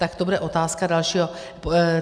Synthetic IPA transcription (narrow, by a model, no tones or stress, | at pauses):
t̪akt̪obudɛʔo̞t̪aːskadalʃiːɦo̞